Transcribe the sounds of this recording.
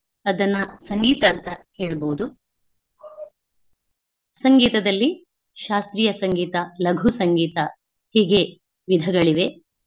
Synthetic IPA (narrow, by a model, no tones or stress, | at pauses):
ɐd̪ɐnːɐsɐŋɡiːt̪ɐːnt̪ɐheːɭɐbowud̪u | sɐŋɡiːt̪ɐd̪ɐlːi | ʃaːst̪ɾiːjɐsɐŋɡiːt̪ɐlɐɡʱusɐŋɡiːt̪ɐ | hiːɡe̞ | ʋid̪ʱɐɡɐɭiʋe̞